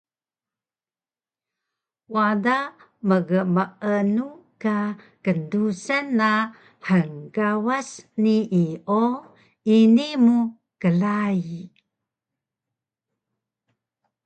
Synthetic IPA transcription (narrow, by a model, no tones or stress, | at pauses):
wada | məɡəməʔənuka | kəndusənːa | ħəŋɡawasniʔio | inimu | kəlai